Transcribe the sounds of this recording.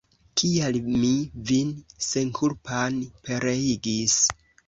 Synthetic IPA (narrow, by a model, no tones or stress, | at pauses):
kʰialmivinsenkʰuɾpʰanpeɾeiɡis